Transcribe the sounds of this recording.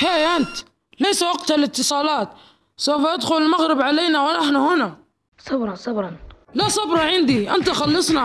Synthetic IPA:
heːjʔant̪ | lajsawaɡt̪alɪt̪ːɨsˤɑːlɑːt̪ | sawfaʔad̪xʊlɪlmaɣɾɪbʕaleːnawɪnaħnahʊna | sˤɑbɾˤɑsˤɑbɾˤɑnlasˤɑbɾˤɑʕɪnd̪iʔant̪axɑlːɑsˤna

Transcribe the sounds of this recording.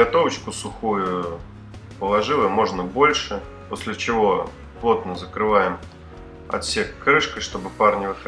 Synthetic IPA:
ɐt̪o̞vət͡ɕkʊsʊxujʊ | pəlˠɐʐɨlˠəjmo̞ʐnəbo̞lʲʂɨ | posʲlʲɪt͡ɕɪvo̞ | plˠo̞t̪nəzəkɾɨvajɪm | ɐ̰t̪sʲekːɾɨʂkəjʂt̪o̞bɨparnʲɪvɨx

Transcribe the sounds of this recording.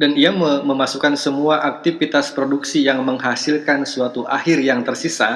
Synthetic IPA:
daniaməməmasukansəmuaʔak̚t̪ifit̪aspɾoduksijaŋməŋɦasilkansuat̪uʔahɪrjaŋt̪ərsisa

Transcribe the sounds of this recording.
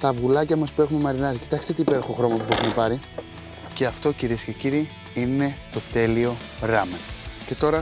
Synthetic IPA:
t̪ɐvɣulɐcɐmɐspuexumemɐɾinɐɾici̥t̪ɐkst̪et̪iːpe̞ɾoxoxɾo̞mɐpupexumepɐɾi | ce̞ɐft̪o̞ciɾiesce̞ciɾiː | ine̞t̪o̞t̪e̞lio̞ | ɾɐmece̞t̪o̞ɾɐ

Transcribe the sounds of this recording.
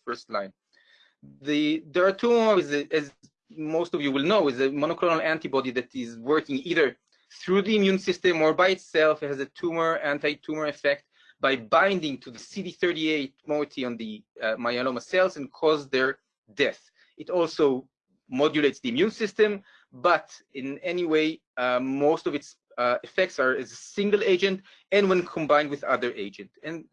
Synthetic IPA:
fə˞stlãɪ̃n | ðɨdɛɹatʰuməɪzɨɛz | moʊstɔvjuwɪlnoʊɪzəmɔnokɾɔ̃nalæ̃ntibɔdiðætɪzwɜ˞kɪ̃ŋiðə˞ | θɹuðiːmjũnsɪstɛ̃mɔɹbajɨtsɛlfhɛzətʰumə˞æ̃ntajtʰumə˞ɛfɛk̚t̚ | bajbãj̃ndɪ̃ŋtʰuðəsidiθɜ˞ɾieɪtmɔtʰiɔ̃nðɨmajonoməsɛlˠsɨ̃nkʰɔzðə˞ | dɛθ | ɨtɔlˠsoʊ | mɔd͡ʒuleɪtsðiɨmjũnsɪstɨ̃m | bʌtɪ̃nɛniweɪ | moʊstɔvɨts | ɨfɛk̚tsa˞ɨzəsɪ̃ŋɡəlˠeɪd͡ʒɨ̃nt | ɨ̃nwɛ̃nkʰɔ̃mbãɪ̃ndwɨðʌðə˞ʔeɪd͡ʒɨ̃ntɨ̃n

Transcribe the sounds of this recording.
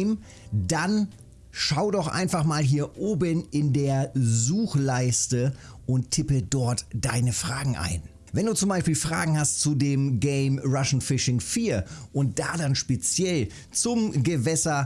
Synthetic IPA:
m | dan | ʃaʊdɔχʔa̰ɪnfaχmaːlɦiːɐʔoːbənɪndeːɐzuːxlaɪstəʔʊnttʰɪpədɔɐtd̥aɪnəfʁ̥aːɡŋ̩ʔa̰ɪn | vɛnduːt͡sʊmbaɪʃpiːlfʁ̥a̰ːɡŋ̩hastt͡sudeːmɡɛɪmʁaʃn̩fɪʃɪŋfiːɐʔʊnt̚d̥aːdanʃpet͡sjɛl | t͡sʊmɡəvɛsɐ

